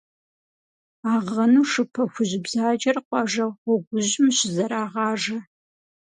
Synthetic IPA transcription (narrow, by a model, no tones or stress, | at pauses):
aːʁɐnuːʂɨpʰɐxʷʊʑɪbzaːd͡ʒɐrqʷɑʒɐʁʷɔɡʷʊʑɪmɕɪzɐɾaːʁɑːʐɐ